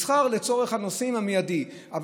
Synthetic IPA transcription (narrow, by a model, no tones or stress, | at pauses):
sχaʁle̞t͡so̞ʁe̞χhano̞simhamejadi | ʔav